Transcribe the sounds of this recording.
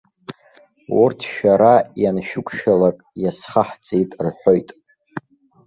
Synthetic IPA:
urtʰʃᶣaɾajanʃᶣʊkʷʰʼʃᶣalakʼjasχaħt͡sʼejtʼrħʷᶣojtʼ

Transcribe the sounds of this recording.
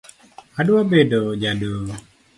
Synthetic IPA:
aduwabedod͡ʒado

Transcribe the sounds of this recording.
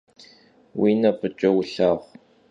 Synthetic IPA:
wiːnɐpɨt͡ʃʼɐwʊɬaːχʷ

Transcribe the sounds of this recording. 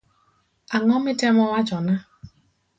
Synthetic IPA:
aŋɔmɪtemɔwat͡ʃɔna

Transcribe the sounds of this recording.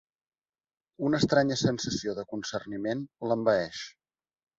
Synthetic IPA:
unəːst̪ɾaɲəsənsəsioðəkunsərnimenləmbəɛʃ

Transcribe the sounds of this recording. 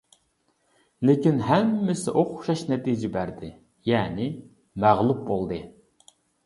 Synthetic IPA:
lekʲinɦɛmːɪsɪ̰ʔoqʰʊ̥ʃɑʃnɛt̪ʰid͡ʒɪbæɾd̪ɪ | jɛːnɪ | mæʁlˠup̚bolˠd̪ɨ

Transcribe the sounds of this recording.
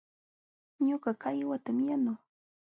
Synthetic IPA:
ɲoɢɑkajwat̪amjanʊ

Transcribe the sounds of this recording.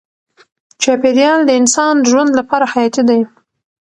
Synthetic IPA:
t͡ʃɑpeɾjɑld̪əɪnsɑnʒwand̪lapɑɾahajɑt̪id̪aj

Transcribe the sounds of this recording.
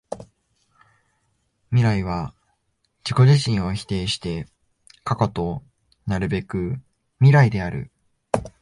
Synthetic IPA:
mʲiɾaiβ̞a | d͡ʑ̥iko̞ʑiɕĩɰ̃o̞çi̥t̪e̞ːɕi̥t̪e̞ | kako̞t̪o̞ | naɾɯ̟be̞kɯ̟ | mʲiɾaid̪e̞aɾɯ̟̰

